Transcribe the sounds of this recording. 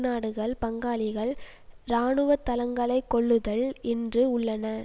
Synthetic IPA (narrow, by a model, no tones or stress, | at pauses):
naːɽɯɣɐɭpɐŋɡaːlɪɣɐɭ | ɾaːɳɯʋɐt̪ːɐlɐŋɡɐɭɐɪkːɔɭːɯðɐɭɛndrɯʊɭːɐnɐ